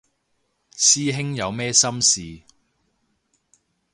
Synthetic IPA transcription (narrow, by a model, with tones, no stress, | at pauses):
siː˥ɦɪ˥ŋjɐ˨˧wmɛː˥sɐ˥msiː˨